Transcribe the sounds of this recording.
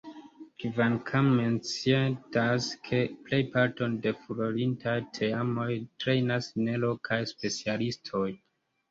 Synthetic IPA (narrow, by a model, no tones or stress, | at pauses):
kvankʰamːe̞nt͡sietaskʰe̞ple̞jpaɾto̞nde̞fuɾolintʰajtʰe̞amo̞jtɾe̞jnasne̞lokʰajspe̞t͡sialistʰo̞j